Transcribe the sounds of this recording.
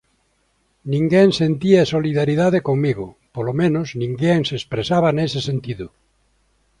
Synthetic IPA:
nĩŋɡeŋsent̪iaesoliðaɾiðaðekoŋmiɣʊ | polomẽnoznĩŋɡeŋsespɾesaβanesesent̪iðʊ

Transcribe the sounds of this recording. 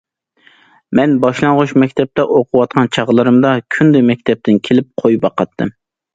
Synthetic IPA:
mɛnbɑʃlˠɑŋʁʊʃmɛkʲt̪ʰɛp̚t̪ɛʔoqʰʊwɑt̪̚qʰɑnt͡ʃʰɑʁlˠɨɾɨmd̪ɑkʲʰynd̪ɪmɛk̚ʲt̪ʰɛp̚t̪ɪnkʲʰelɪp̚qʰojbɑqɑt̪ʰːɨm

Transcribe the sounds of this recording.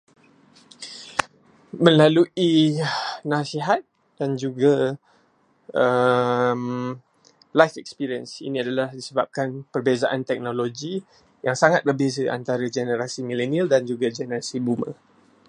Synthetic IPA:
mə̃laluʔi | nasiɦat̪̚ | d̥and͡ʒuɡa | əm | lajfɛk̚spiɾiənsḭnĩadalahdisəbap̚kanpərbezaʔant̪ɛk̚noloɡi | jaŋsaŋat̪̚bərbezəʔa̰nt̪aɾad͡ʒɛnəɾasimĩlɛnialdand͡ʒuɡad͡ʒɛnəɾasibumə̰

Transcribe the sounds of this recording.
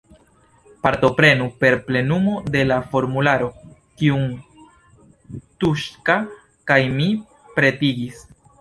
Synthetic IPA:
paɾto̞pɾe̞nupe̞ɾple̞numo̞de̞lafo̞ɾmulaɾo̞ | kiuŋ | tuʃka | kajmi | pɾe̞tiɡis

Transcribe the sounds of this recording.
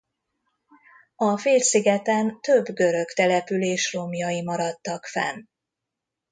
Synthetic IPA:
ɒfeːlsiɡɛt̪ɛnt̪øbːɡø̞ɾø̞kt̪ɛlɛpyleːʃromjɒjimɒɾɒt̪ːɒkfɛ̰n

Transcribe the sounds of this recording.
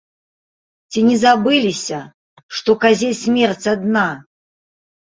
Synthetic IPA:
t͡sʲinʲɛzabɨlʲisʲɐ | ʂt̪ɔkazʲesʲmʲɛrt͡sʲad̪na

